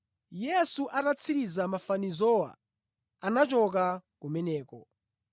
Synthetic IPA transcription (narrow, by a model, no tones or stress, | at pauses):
jɛsuʔatat͡sʰiɾizamafanizɔwa̰ | anat͡ʃɔkakumɛnɛːkɔ